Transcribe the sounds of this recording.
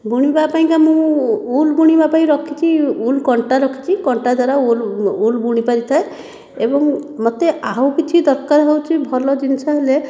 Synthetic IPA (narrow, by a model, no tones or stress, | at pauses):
buɽ̃ibapaɦĩkamũulbuɽ̃ibapaĩɾɔkʰit͡ʃʰiulkɔɳʈaɾɔkʰi̥t͡ʃʰikɔɳʈad̪aɾaululbuɽ̃ipaɾit̪ʰae | ebɔŋmot̪eʔaɦukit͡ʃʰid̪ɔɾkaɾɦɔwt͡ʃʰibʱɔlɔd͡ʒinsaɦele